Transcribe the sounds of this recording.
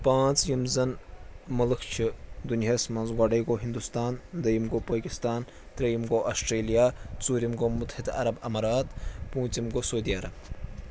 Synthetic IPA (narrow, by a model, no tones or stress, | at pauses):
pãːt͡sjimzɐnmɐlɨkʰt͡ʃʰid̪unjɐsmɐnzɡaːɖɐjɡoːɦind̪ust̪aːnd̪ɐjimɡoːpɐːkist̪aːn | t̪ɾɐjimɡoːʔɐsʈɾeːlijaːt͡suːɾimɡoːmut̪ːhit̪ɐ̰ɾɐbɐmɐɾaːt̪pũːt͡simɡoːsoːd̪ijɐɾɐb